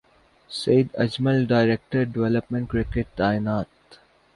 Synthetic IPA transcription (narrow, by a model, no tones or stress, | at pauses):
seːd̪ɐd͡ʒməlɖaːɪɾek̚ʈəɾɖɪʋɛləpmẽɳʈ̚kɾɪkeʈ̚ɖ̪aːɪnaːt̪